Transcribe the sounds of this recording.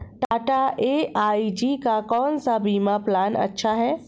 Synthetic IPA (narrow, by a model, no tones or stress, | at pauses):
ʈaːʈaeːʔaːid͡ʒiːkakɔːnsabiːmaplaːnɐ̰tːʃʰaɦɛː